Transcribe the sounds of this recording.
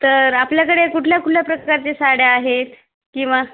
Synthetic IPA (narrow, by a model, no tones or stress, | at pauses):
t̪əɾapljakəɽekuʈʰljakuʈʰljapɾəkaɾt͡ɕesaɽjaaɦet̪ | kĩw̃ʋa